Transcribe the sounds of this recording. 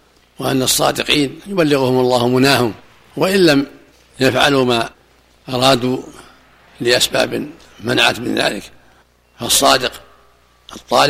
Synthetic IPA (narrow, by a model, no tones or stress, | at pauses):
waʔanːasˤːɑ̰ːd̪ɪqiːnjʊbalːɪɣʊhʊmʊlˤːɑːhmʊnaːhʊm | waʔɪlːam | jafʕalumaː | ʔɑɾˤɑːd̪uː | lɪʔasba̰ːb | manaʕa̰t̪mɪ̰nða̰ːlɪk | fɑsˤːɑːd̪ɪq | ʔɑt̪ˤːɑːl